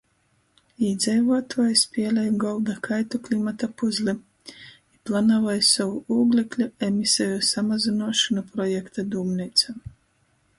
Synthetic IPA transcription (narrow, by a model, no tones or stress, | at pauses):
id̪zʲɛjvuɔt̪ʰuɔjspʲiɛlʲɛjɡɔlˠd̪akʰajt̪uklʲimat̪apuzlʲi | iplˠanavajsavuuːɡlʲiklʲuemisɛjusamazinuɔʃanupɾɔjɛkt̪ad̪uːmnit̪sa